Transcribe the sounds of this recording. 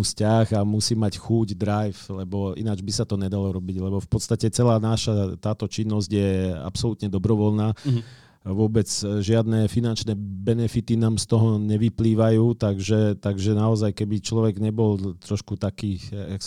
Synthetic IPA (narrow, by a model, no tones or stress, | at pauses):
uscaɣamusiːmacxuɟd̪ɾajflɛbɔḭnad͡ʒbisat̪ɔɲɛd̪alɔɾɔbiɟlɛbɔfpɔt̪st̪acɛt͡sɛlaːnaʃat̪aːt̪ɔt͡ʃinːɔzɟjɛa̰psɔlut̪ɲɛd̪ɔbɾɔʋɔlnaː | ʋʊɔbɛd͡zʒɪad̪nɛfinant͡ʃnɛːbɛnɛfit̪inaːmst̪ɔɦɔɲɛʋipliːʋajuːt̪aɡʒɛt̪aɡʒɛnaɔzajkɛbit͡ʃlɔʋɛɡɲɛbɔlt̪ɾɔʃkut̪akiːaks